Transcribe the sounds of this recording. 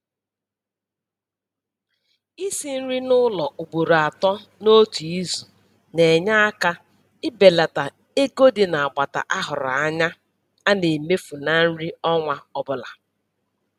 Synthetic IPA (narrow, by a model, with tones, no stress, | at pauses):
i˦si˦n̩˦ɾi˦nʊ˦lɔ˨ʔu˨ɡ͡bo˨ɾa˨tɔ˦no˦tu˨i˦zu˨ | ne˨ɲa˦a˦ka˦ | ɪ˦be˨la˨ta˨ | e˦ɡo˦dɪ˨na˨a˨ɡ͡ba˨ta̰˨ʔa˦ɦʊ˨ɾa˨a˦ɲa˦ | a˦ne˨me˦fu˨na˨n̩˦ɾi˦ɔ˦ŋʷa˦ɔ˦bʊ˦la˨